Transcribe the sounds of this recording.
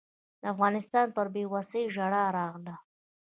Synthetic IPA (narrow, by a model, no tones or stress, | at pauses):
d̪əafɣɑnɪst̪ɑnpəɾbewasəjʒaɽaɾɑɣla